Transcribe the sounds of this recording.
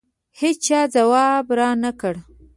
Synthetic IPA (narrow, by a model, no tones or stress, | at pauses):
het͡ʃt͡ʃɑd͡zawɑbɾɑnakəɽ